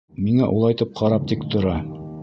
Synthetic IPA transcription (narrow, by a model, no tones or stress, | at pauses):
miŋæʔṵlˠɑjt̪ɤp̚qʰɑɾɑp̚t̪ikt̪ʰŏɾɑ